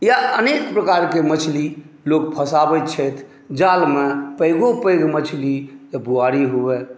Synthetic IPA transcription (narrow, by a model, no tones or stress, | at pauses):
jaənekpɾəkaɾkemət͡ʃʰli | lok̚pʰəsabətt͡ʃʰət̪ʰ | d͡ʒalmepəɪɡõpəjɡmət͡ʃʰlid͡ʒebuaɾiɦubɛ